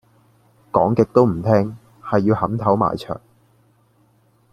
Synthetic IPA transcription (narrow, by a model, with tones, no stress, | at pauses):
kɔː˨˥ŋkɪ˨k̚t̪o˥wm̩˨˩t̪ʰɛː˥ŋ | hɐ˨jːiː˧whɐ˨˥mt̪ʰɐ˨˥wma̰ː˨jt͡ʃʰœ̰ː˨˩ŋ